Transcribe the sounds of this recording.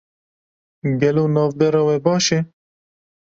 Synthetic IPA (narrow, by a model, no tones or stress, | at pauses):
ɡɐloːnɑːvd̪ɛɾɑːwɛbɑːʃe